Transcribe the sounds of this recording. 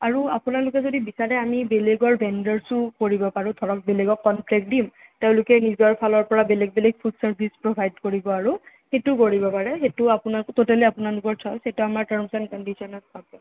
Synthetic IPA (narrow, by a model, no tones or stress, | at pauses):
aɹuapʊnalʊkɛzodibisaɹɛamibeleɡɔɹbɛndaɹsʊkoɹibɔpaɹud̪ʱɔɹɔk̚beleɡɔkːɔnpʰlɛk̚dimteʊ̃lʊkɛnizɔɹpʰalɔɹpɔɹabeleɡ̚beleɡ̚pʰudsaɹbʱispɹɔbʱajdkoɹibɔaɹu | xetukoɹibɔpaɹɛxetʊapunakɔtotɛliapʊnalʊkɔɹsʰɔjsetuamaɹtaɹmsankɔndisɔnatbʰakɔ